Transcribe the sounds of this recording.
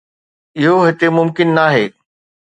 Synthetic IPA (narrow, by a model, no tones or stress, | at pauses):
ɪɦoɦɪt̪emʊmkɪnːaːɦeː